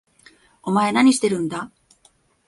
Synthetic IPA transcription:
o̞mae̞naɲ̟iɕi̥t̪e̞ɾɯ̟̃nd̪a

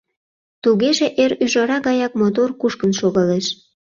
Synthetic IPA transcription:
t̪uɣeʒeʔeɾyʒɑɾɑɣɑjɑk̚mot̪orkuʃkənʃoɣɑleʃ

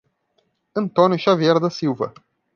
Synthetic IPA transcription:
ɨnt̪onuʃavijerd̪əsiwvə̰

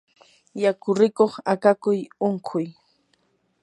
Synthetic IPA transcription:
jakʊɾɪkoχakakʊjoŋkʰʊj

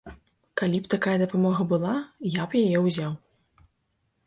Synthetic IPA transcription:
kalʲipt̪akajɐd̪ɐpamɔɣɐbɨlˠajapjajɛwzʲaw

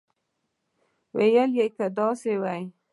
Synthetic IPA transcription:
wḛjəljejkad̪ɑsewaj

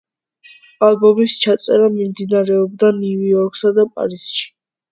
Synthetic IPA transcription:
alˠbɔmist͡ʃʰat̪sʼɛɾamimd̪inaɾɛɔb̚d̪aniujɔɾkʼsad̪apʼa̰ɾiz̥ʃi̥

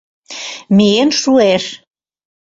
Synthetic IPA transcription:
meenʃueʃ

